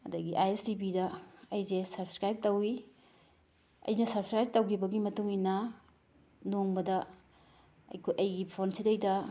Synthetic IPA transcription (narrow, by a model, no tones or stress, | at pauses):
ɐdɐɡiʔajesdipidɐɐjzesɐɾpskɾajp̚tɐwi | ɐ̰jnɐsɐpskɾajb̚tɐwkʰibɐɡimɐtuŋinɐ | noŋbɐdɐ | ɐ̰jkʰojʔɐjɡipʰonsidɐjdɐ